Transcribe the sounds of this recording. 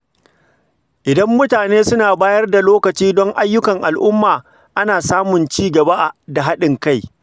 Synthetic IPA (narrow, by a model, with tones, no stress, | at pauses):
ʔɪ˨dɐ˦mːʊ˦taː˨neː˦sʊ˦naː˨baː˦jɐ˦rda˨loː˦kɐ˨t͡ʃiː˦dɔ˦ŋʔa˦jːʊ˦kɐ˨ŋʔa˨lʔʊ˦mːaː˨ | ʔa˦naː˨saː˦mʊ˨nt͡ʃiː˦ɡɐ˨ba˦ʔa˨da˨ɦa˦ɗɪ˨ŋka˦˨j